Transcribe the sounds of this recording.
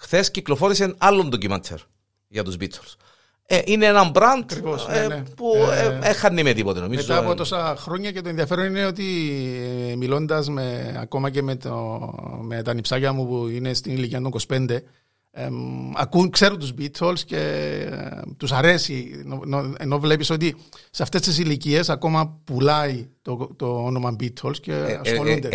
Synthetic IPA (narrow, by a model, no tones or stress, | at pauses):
xθesciklofo̞ɾisenɐlːond̪ocimɐ̰t̪ʰːḛɾ | ʝɐt̪uzbit̪ːols | eʔineenɐmbɾɐnd̪ɐkɾivosnepuexːɐnːimet̪ipot̪enomizmeɐːpot̪o̞sɐxɾo̞ɲːɐce̞t̪oeðiɐfe̞ɾo̞nineo̞t̪̬i | milo̞nd̪ɐzmeɐ̰ko̞mɐce̞met̪omet̪ɐnipsɐcɐmupuine̞st̪iniliciɐt̪oŋkospe̞nd̪e̞ | ɐ̰kukseɾunt̪uzbit̪ʰolsce̞ | t̪usɐɾe̞sinonoeno̞vle̞piso̞t̪iseɐft̪e̞st̪es̬ilicie̞sɐko̞mɐpulɐit̪ot̪oono̞mɐmbit̪ʰolsce̞ɐsxolund̪e